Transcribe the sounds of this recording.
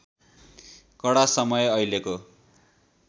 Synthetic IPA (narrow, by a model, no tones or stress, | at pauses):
kʌɽasʌmʌjeʌjleko